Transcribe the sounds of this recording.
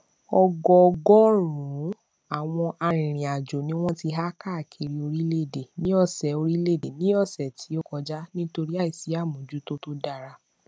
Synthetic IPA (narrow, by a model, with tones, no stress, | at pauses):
ɔ˧ɡɔ˧ɡɔ˦ɾũ˨˦ | a˦˨w̃ɔ̃˧ʔa˧ɾ̃ĩ˨ɾ̃ĩ˨a˨d͡ʒo˨nĩ˦w̃ɔ̃˦ti˧ɦa˦ka˦˨kʰe˨˧ɾi˧o˧ɾi˦le˦˨de˨nĩ˦ɔ˦˨sɛ˨˦o˧ɾi˦le˦˨de˨nĩ˦ɔ˦˨sɛ˨tʰi˨˦o˦kɔ˧d͡ʒa˦nĩ˦to˧ɾi˦a˦˨i˨si˨˦a˦˨mũ˨d͡ʒu˨˦to˦to˦da˦˨ɾa˧